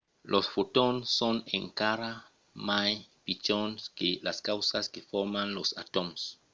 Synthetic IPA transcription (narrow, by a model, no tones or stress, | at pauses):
lʔosfotonsːoneŋkaɾa | majpit͡ʃonskelaskawsaskefoɾmãnlosa̰t̪oms